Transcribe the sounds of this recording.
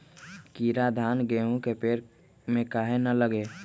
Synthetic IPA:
kiːɾad̪ʱaːnɡeːɦũkepeːɾ | mẽkaːɦenələɡeː

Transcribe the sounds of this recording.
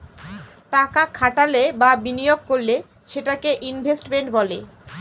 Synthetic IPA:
ʈakakʰaʈalebabinijoɡ̚koɾle | ʃeʈakeʔinbʱesʈmeɳʈbɔle

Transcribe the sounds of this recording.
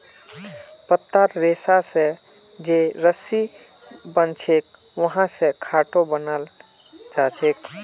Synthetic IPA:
pət̪ːaɾɾesase | d͡ʒeɾəsi | bənt͡ʃʰek̚ | ʋəɦãsekʰaʈobənəl | d͡ʒat͡ʃʰek

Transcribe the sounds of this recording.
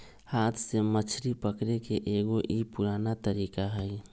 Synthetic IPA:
haːt̪ʰsemət͡ʃʰɾipəkɾekeʔeːɡoʔipʊɾaːnat̪əɾiːkaɦɛi

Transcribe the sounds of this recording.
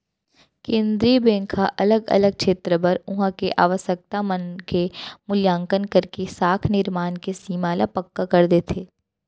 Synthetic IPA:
kẽːnd̪ɾiːbẽːŋkʰaʔɐləɡɐ̰ləɡ̚kʃeːt̪ɾəpɐɾʊɦãkeʔa̰ːʋəsək̚t̪amənkemʊljãːŋkənkəɾkesaːkʰnɪɾmaːnkesiːmaːlapɐkːakɐɾd̪eːt̪ʰeː

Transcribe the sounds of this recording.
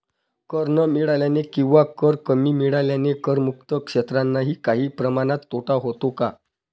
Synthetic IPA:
kəɾnəmiɭaljanekĩw̃ʋakəɾkəmiːmiɭaljanekəɾmuk̚t̪əkʂet̪ɾanːaɦiːkaɦiːpɾəmaɽ̃at̪ːoʈaɦot̪oka

